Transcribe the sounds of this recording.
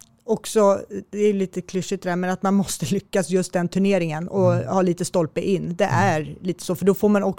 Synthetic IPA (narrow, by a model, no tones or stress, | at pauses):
ɔksɔd̪ɛæjɵliːt̪əkʰlʏʂːɪt̪̚ɛd̪æːmɛnat̪manmɔst̪əlʏkːasjɵst̪̚d̪ɛnt̪ʰɵɳeːɾɪŋənɔhɑːliːt̪əst̪ɔlpəʔɪnːd̪ɛ̰ʔæɾliːt̪ə̥soːfœɖɔfoːɾmanɔk